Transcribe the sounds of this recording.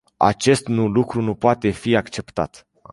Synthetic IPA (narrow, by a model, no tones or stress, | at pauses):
a̰t͡ʃe̞st̪nulukɾunupoat̪e̞fiakt͡ʃe̞pt̪a̰t̪